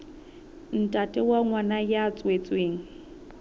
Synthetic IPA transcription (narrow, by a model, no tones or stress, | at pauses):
n̩tʼatʼɛwaŋwanajat͡sʼwet͡sʼweːŋ̩